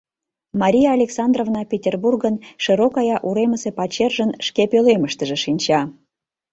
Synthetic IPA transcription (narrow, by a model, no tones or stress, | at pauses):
mɑɾʲijɑːlʲeksɑnd̪rovnɑpʲetʲerburɣənʃəɾokɑjɑʔuɾeməsepɑt͡ɕerʒənʃkepøleməʃt̪əʒĕʃinʲt͡ɕɑ